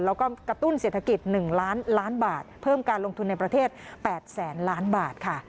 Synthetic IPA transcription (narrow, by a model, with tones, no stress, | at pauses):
lɛː˦˥wkɔː˥˩kɾa˧t̪u˥˩nse˨˩t̪ʰa˧ki˨˩t̪̚nɯ˨˩ŋlaː˦˥nlaː˦˥nbaː˨˩t̪̚pʰɤː˥˩mkaː˧nlo˧ŋt̪ʰu˧nːa˧jpɾa˧t̪ʰeː˥˩t̪̚pɛː˨˩t̪̚sɛː˩˦nlaː˦˥nbaː˨˩t̪̚kʰa˥˩